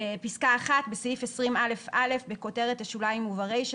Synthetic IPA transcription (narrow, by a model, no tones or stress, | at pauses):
episkaːχat̪besvifesʁimale̞fale̞fbeko̞te̞ʁeteʃulaimuvaʁejʃ